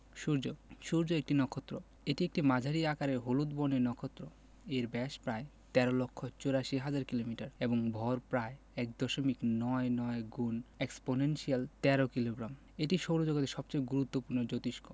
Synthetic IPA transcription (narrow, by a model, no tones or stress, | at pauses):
ʃuɾd͡ʑoʃuɾd͡ʑoek̚ʈinɔkʰot̪ːɾo | eʈiek̚ʈimad͡ʑʱaɾiakaɾeɾɦolut̪bonenɔkʰot̪ːɾo | eɾbɛʃpɾae | t̪ɛɾolokʰːot͡ɕoɾaʃiɦad͡ʑaɾkilomiʈaɾeboŋbʱɔɾpɾae | ɛk̚d̪ɔʃomiknɔenɔeɡuneksponenʃialt̪ɛɾokiloɡɾam | eʈiʃowɾod͡ʑoɡot̪eɾʃɔb̚t͡ɕejɡuɾut̪ːopuɾnod͡ʑot̪iʃko